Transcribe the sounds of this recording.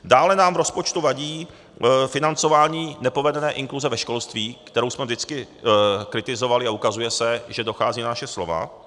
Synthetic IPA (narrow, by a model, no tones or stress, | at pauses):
daːlɛnaːmvɾo̞spo̞t͡ʃt̪uvaɟiː | fɪnant͡so̞vaːɲiːnɛpo̞vɛdɛnɛːʔɪŋkluzɛvɛʃko̞lst̪viːkt̪ɛɾowsmɛvdɪt͡skɪ | kɾɪt̪ɪzo̞valɪaukazujɛsɛʒɛdo̞xaːziːnanaʃɛslo̞va̰